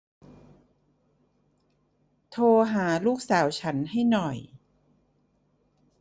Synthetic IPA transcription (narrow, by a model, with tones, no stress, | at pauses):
t̪ʰoː˧ɦaː˩˦luː˥˩k̚saː˩˦wt͡ɕʰa˦˥nha˥˩jnɔ˨˩j